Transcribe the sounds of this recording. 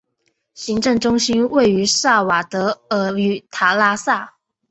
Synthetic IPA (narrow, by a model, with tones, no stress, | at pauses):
ɕi˧˥ŋʈ͡ʂɤ˥˩ŋʈ͡ʂʊ˥ŋɕi˥nwe˥˩ɪy˧˥sa˥˩wa˨˩t̪ɤ˧˥ə˧˥y˧˨˥t̪ʰa˧˥la˥sa˥˩